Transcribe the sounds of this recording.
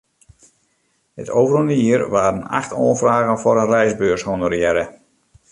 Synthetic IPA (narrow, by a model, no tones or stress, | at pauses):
hə̰tʰoːvərundəiərʋaːɾəna̰xtʰoːnfraːɣənfɔɾənrɛjzbøːshonərjɛɾə